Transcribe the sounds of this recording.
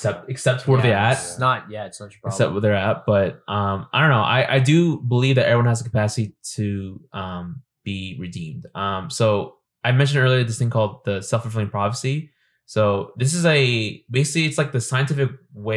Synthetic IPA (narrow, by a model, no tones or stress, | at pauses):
sɛp̚t̚ɨksɛp̚tʰɔɹðiæsnət̚jæɨtsnə̥ɨksɛ̰p̚wʌðə˞æt̚b̥ʌt̚ʔʌ̃maɪɾõʊ̃nːoʊʔa̰ɪʔa̰ɪdɨbəlivðɨɾʔɛ̰ɹiwʌ̃nəzðəkʰəpʰæsɨɾiɾʰɨʔʌ̃m | b̥iɹɨdḭ̃md̥ʔʌ̃msoʊ | aɪmɛ̃nʃɨ̃ndɜ˞lˠiə˞ðɪsθɪ̃ŋkʰɔlˠd̪̚ðɨsɛlˠfə˞fɪlˠɪ̃ŋpʰɹ̥ɑfəsi | soʊðɪs̬ɨzɨbeɪsɪkliɨtslaɪk̚ðɨsãɪɨ̃ntʰɪfɨk̚we